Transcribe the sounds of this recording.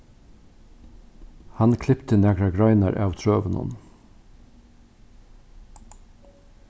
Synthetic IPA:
hɑnkʰlɪpt̪ʰənæɡɾaɡɾɑɪnɑɾʔɑːʋt̪ʰɹøːʋənʊ̰n

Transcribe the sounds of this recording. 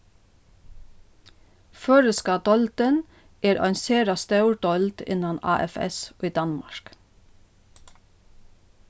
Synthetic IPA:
føːɹəskɑːd̪ɔlt̪ən | eːɾʔɑ̰ʏnseːɾɑst̪ɑʉɖɔlt̪ɪ̰nɑnɑ̰ːʔɛ̰fɛ̰soːiːd̪ɑnmɑ̰ʃk

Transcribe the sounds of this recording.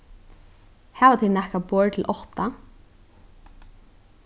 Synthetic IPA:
hæːʋat̪ʰɛnɛhkapɔːɹt̪ʰɪlʔɔht̪a

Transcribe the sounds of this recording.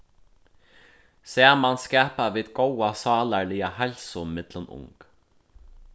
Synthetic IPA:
sɛːmanskɛːpaʋiːðɡowasɑːlaɹliːahɛlsʊmɪt̪lənʊ̰ŋk

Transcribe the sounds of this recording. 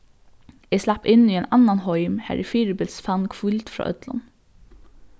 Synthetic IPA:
ɛslɑpːɪnːiːɛnanːanhɔʏmhæ̰ɾʔɪ̰fiːɾɪbɪlsfɑnkʰfult̪fɾɑ̰ːʔœ̰t̪lʊ̰n

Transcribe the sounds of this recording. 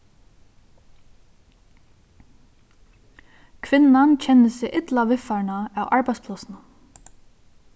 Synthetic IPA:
kʰʋɪnːant͡ɕʰɛnːəsɪʔɪt̪laʋɪfaɳaæwʔaɹpæspʰlɔsna

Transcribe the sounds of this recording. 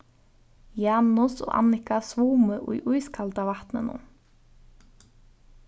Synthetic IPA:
jɑːnʊsɔ̰ːʔa̰nɪkasʋuːməʔṵjʔujskʰalt̪avaht̪nɪ̰nʊ̰n

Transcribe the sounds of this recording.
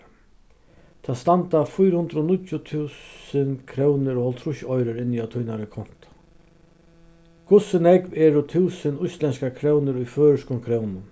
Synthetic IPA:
t̪ʰaːst̪ant̪afʊjɾhʊnd̪ɾoːnʊtjʊt̪ʰʉːsənkʰɾɛwnɪɾɔhɔlt̪ʰɾʊçɔjɾəɾɪnːiat̪ʰujnaɾəkʰɔn̥t̪ | kʰʊsɪnɛkvɛːɾʊt̪ʰuːsənʊjst̪lɛnskakʰɾɛwnəɾʊjføːɾɪʂkʊnkʰɾɛwnʊn

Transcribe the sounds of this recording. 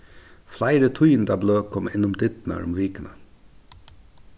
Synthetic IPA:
flæɪɾət̪ʰʉʏnd̪æːbløːkʰɔmɪnʊmd̪ɪt̪næ̰ːɾʊ̰mʋiːkənə

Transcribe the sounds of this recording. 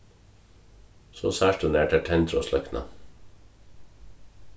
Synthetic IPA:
so̰ːsæːʃtʉneːʈʰæʈʰɛnt̪ɾɔslœknɑ̰

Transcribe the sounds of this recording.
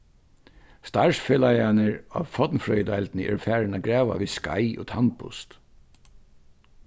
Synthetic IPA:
st̪aɹsfeːlajanəɹa̰ːʋfɔt̪nfɾœʏd̪alt̪nɪʔɛ̰ɹfæːɹɪnaɡɾɛːʋa̰ʋiska̰jʔo̰ːt̪ʰanpʊ̰st̪

